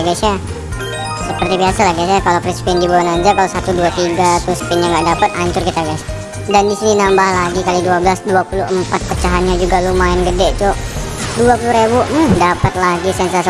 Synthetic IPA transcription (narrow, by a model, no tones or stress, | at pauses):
aɡasa | səpərt̪ibiasalaɡajsakalofɾispɪndibulanaɲd͡ʒakalosat̪uduat̪iɡat̪ʊsə̥pɪnjaŋɡaʔdapət̪aɲt͡ʃʊrkit̪aɡas | dandisininambahlaɡikaliduabəlasduapuluəmpat̪̚pət͡ʃaɦanɲad͡ʒuɡalumaɛnɡədɛʔt͡ʃɔʔ | duapuluɾebudapat̪̚laɡisɛnsas